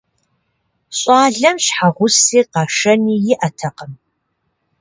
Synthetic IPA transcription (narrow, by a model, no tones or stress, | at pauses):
ɕʼɑːɮɐmɕħaʁʷʊsiːqɑːʂɐniːjɪʔɐtʰɐqəm